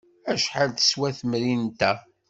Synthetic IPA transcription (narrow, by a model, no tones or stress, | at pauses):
æʃħalθə̥swæθəmɾint̪æ